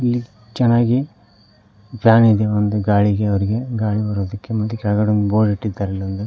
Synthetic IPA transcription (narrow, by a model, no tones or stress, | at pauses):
ilːi | t͡ʃɛnːaːɡi | plaːnid̪eʋond̪uɡaːɭiɡeɐʋɐɾiɡe̞ɡaːɽibɐɾoːd̪ɐkːemɐt̪ːukɛɭɡɐɽɐnuboːɖiʈːid̪ːaːɾɐlːiond̪u